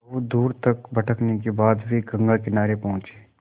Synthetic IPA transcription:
od̪uːɾt̪ɐkbɐʈʰəknek̬ebaːd̪bʱiɡɐ̃ŋɡakɪnaːɾepɐ̃ɦʊ̃t͡ʃeː

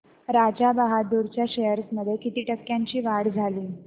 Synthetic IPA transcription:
ɾad͡ʑabaɦad̪uɾt͡ɕjaɕejəɾsməd̪ʱjekit̪iːʈəkːjaɲt͡ɕiːʋaɽd͡zʱaliː

